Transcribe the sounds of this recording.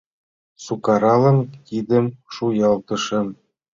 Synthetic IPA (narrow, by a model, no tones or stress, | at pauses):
sukɑɾɑlɤ̆nkid̪ə̆mʃujɑlˠt̪ɤ̆ʃɤ̆n